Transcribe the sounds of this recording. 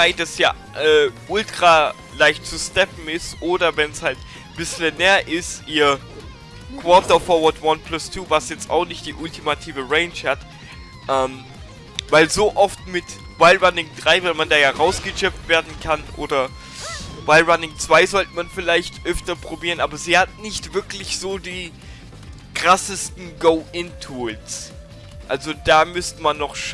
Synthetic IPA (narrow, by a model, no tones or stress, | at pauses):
aɪdasja̰ː | ʔɛːʔʊltʁ̥aː | laɪçtt͡sustɛpm̩ɪstʔoːdɐvɛnshalt | b̥ɪslənɛːɐʔɪstiːɐ | kv̥ɔːtɐfɔɐvɐtwanpʰlʊstʰuːvasjɛt͡sta̰ʊxnɪçt̚d̥iːʔʊltimatʰiːvəʁɛɪnʃhat | ʔɛːm | vaɪlzoːʔɔftmɪt | baɪlʁanɪŋd̥ʁaɪvaɪlmandaːjaːʁaʊsɡ̥ət͡ʃɛp̚tv̥eːɐdn̩kʰanʔo̰ːdɐ | baɪlʁanɪŋt͡sv̥aɪzɔltəmanfɪlaɪçtʔœftɐpʁ̥obiːʁənʔaːbɐziːhat̚nɪçtv̥ɪɐklɪçz̥oːdiː | kʁ̥asəstn̩ɡoʊʔɪntʰuːls | ʔalzod̥aːmʏstəmanːɔχʃ